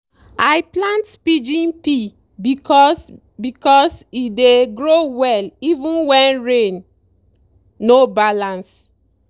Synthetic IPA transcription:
ajplãntpid͡ʒĩnpi | bikɔs | bikɔsideɡɹowɛlivũnwɛ̃nɹẽn | obalãns

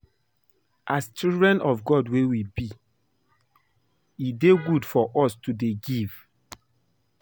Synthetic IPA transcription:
ʔast͡ʃildɹɛ̃nɔfɡɔdwewibi | ideɡudfɔʔɔstudeɡiv

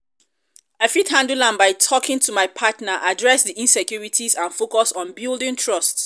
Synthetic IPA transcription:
afithãndulãnbaɪtʰɔkɪ̃ŋtʰumaɪpʰatnaʔadɹɛsdiʔĩnsɛkʰjuɹitʰizãnfokɔsɔ̃nbilˠdĩŋtʰɹɔsts

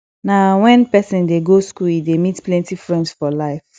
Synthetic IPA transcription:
nawɛ̃npɛsĩndeɡoskulidemitplɛ̃ntifɹɛ̃ndsfɔlaɪf

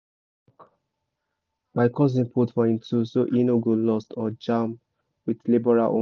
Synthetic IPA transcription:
baɪkʰɔs̬ĩnpʰɔtfɔĩntʰusoʔinoɡolɔstɔd͡ʒãm | widlibɔɹa̰lʔõ̰

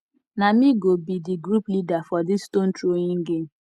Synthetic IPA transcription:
namiɡobidiɡɾuplidafɔdiston̩tɾoɲiŋ̩ɡem̩

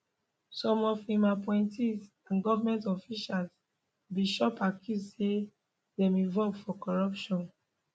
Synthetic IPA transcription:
sɔ̃mɔfĩmapɔ̃ɪ̃ntis | ãnɡɔvamɛ̃ntɔfiʃals | biʃɔpakʰisse | dɛ̃mĩvɔlɡfɔkɔɹɔpʃɔ̃n

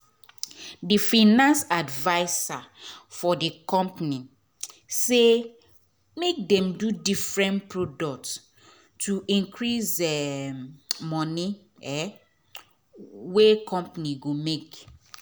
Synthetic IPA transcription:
difanãnsadvaɪsafɔdikɔ̃mpni | se | mek̚dɛ̃mdudifɹɛ̃npɹodɔk̚t | tuĩŋkʰɹisɛ | mɔni | ɛ | wekɔ̃mpniɡomek

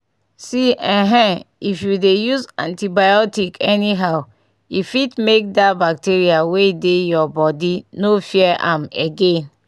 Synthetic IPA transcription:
siɛ̃ɦɛ̃ifjudejuzã̰ntibajɔtikʰɛniɦaʊ | ifitmek̚dabak̚tiɹiaweidejɔbɔdinofiɛʔã̰meɡẽn

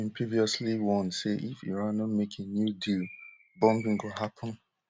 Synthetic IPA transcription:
ĩmpʰɹiviɔsliwɔ̃nseʔifiɹãnɔmekʰenjudil | bɔ̃mɡĩŋ̩ɡohapʰɔ̃n

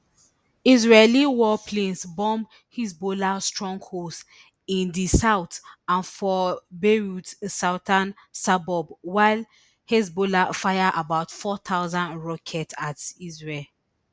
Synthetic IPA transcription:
izɹeliwɔpʰlẽnsbɔ̃m | hisbolastɹɔ̃ŋɡhos | ĩndisaʊtãnfɔbeɹutsawtʰãn | sabɔbwaɪl | hes̬bolafajaʔabaʊtfɔt̪ʰaʊzãndɹɔkʰɛtʰatizɹel

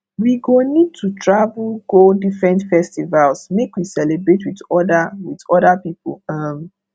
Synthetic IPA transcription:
wiɡonid̚tʰutʰɹavulɡodifɹɛ̃ntfɛstivalsmekwisɛlebɹetwitɔdawitɔdapipɔlʌm

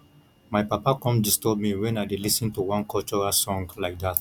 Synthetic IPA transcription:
majpapakɔ̃mdistɔbmiwɛ̃najdelisə̃ntuwãnkɔlt͡ʃɔɹasɔ̃ŋɡlaɪk̚d̪at

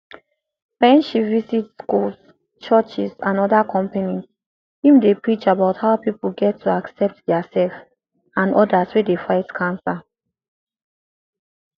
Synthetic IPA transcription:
wɛ̃nʃivizitskuls | t͡ʃɜt͡ʃisãnɔdakʰɔ̃mpaniz | hĩmdepɹit͡ʃabaʊthaʊpipl̩ɡɛtʰːuaksɛp̚tdɛasɛlf | ãnɔdaswedefaɪtkʰãnsa

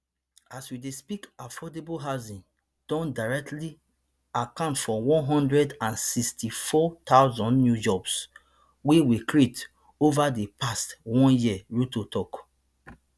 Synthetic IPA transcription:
aswidespikafɔdeboɦaʊzĩn | d̥ɔ̃ndaɹɛk̚tli | akãʊ̃ntfɔwɔ̃nɦɔ̃ndɹɛdãnsistifɔtaʊzɔ̃nnjud͡ʒɔbs | wewikɹit | ovadepastwɔ̃njiəɹutotʰɔk

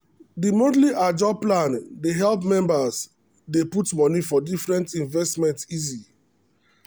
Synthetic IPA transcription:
dimodliʔad͡ʒɔb̚plãndeɦɛlpmɛ̃mbas | deputmɔnifɔdifɹɛ̃ntĩnvɛstmɛ̃ntizi

